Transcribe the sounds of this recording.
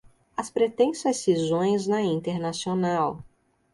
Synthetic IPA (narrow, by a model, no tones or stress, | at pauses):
ɐspɾet̪ẽsɐssizõj̃znɐĩt̪eɾnasionaw